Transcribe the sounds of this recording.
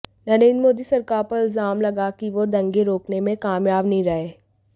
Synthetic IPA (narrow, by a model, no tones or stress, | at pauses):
nɐɾẽːnd̪moːd̪isɐɾkaːɾpɐɾɪlzaːmlɐɡakiʋod̪ɐ̃ŋɡeɾoːknemẽkaːmjaːbnɐɦĩɾɐɦeː